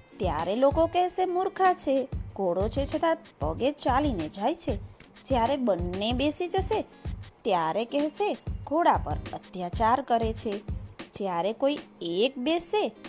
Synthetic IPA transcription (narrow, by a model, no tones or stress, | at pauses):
t̪ja̰ɾelokokɛɦsemuɾkʰat͡ʃʰeɡʱoɽot͡ʃʰet͡ʃʰət̪apəɡet͡ʃalined͡ʒajt͡ʃʰed͡ʒjaɾebənːebesid͡ʒəʃe | t̪jaɾekɛɦseɡʱoɽapə̰ɾə̰t̪jat͡ʃaɾkəɾet͡ʃʰed͡ʒjaɾekoiek̚bese